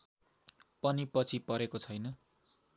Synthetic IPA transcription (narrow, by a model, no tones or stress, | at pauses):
pʌnipʌt͡sʰipʌɾekot͡sʰʌjnʌ